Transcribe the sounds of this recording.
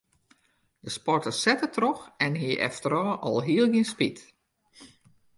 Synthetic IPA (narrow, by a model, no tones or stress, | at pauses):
d̥əspɔrtəsɛtətʰrɔxɛnhiəʔɛ̰ftəɾɔːʔɔlˠɦiəlˠɡiənspit